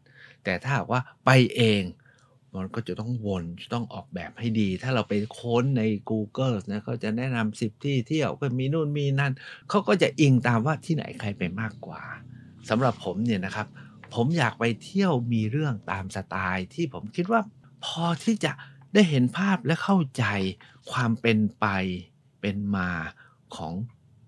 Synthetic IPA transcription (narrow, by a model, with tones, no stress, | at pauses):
t̪ɛː˨˩t̪ʰaː˥˩ɦa̰ː˨˩k̚waː˥˩pa˧jʔeː˧ŋ | ma˧nkɔː˥˩t͡ɕa˨˩t̪ɔ˥˩ŋwo˧nt͡ɕa˨˩t̪ɔ˥˩ŋʔɔː˨˩k̚bɛː˨˩p̚ha˥˩jdiː˧t̪ʰaː˥˩ɾa˧wpe˧nkʰo˧˥nːa˧jkuː˧kɤː˥˩sni˦˥ɐkʰa˦˥˩t͡ɕa˨˩nɛ˦˥˩na˧msi˨˩p̚t̪ʰiː˥˩t̪ʰi˥˩əwkɔː˥˩miː˧nuː˥˩nmiː˧na˧˥nkʰa˦˥wkɔː˥˩t͡ɕa˨˩ʔi˧ŋt̪aː˧mwaː˥˩t̪ʰiː˥˩na̰˨˦jkʰa˧jpa˧jmaː˥˩kːwa̰ː˨˩ | sa˨˦mɾa˨˩pʰːo˩˦mni˥˩ɐna˦˥kʰa˦˥p̚ʰːo˩˦mjaː˨˩k̚pa˧jt̪ʰi˥˩əwmiː˧ɾɯ˥˩əŋt̪aː˧msa˧t̪aː˧jt̪ʰiː˥˩pʰo˩˦mkʰi˦˥t̪̚waː˥˩pʰɔː˧t̪ʰiː˥˩t͡ɕa˨˩ʔdaː˥˩jɦe˩˦npʰaː˥˩p̚lɛ˦˥kʰa˥˩wt͡ɕa˧j | kʰwaː˧mpe˧npa˧j | pe˧nmaː˧ | kʰɔ̰ː˩˦ŋ